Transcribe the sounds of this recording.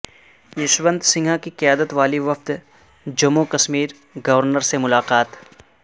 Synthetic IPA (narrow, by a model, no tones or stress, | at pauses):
jɪʃʋə̃nd̪sɪ̃ŋɡʱakiqɪjaːd̪ət̪ʋaːliʋɐft̪ | d͡ʒɐmukɐsmiːɾ | ɡɐʋəɾnəɾsemʊlaːqaːt̪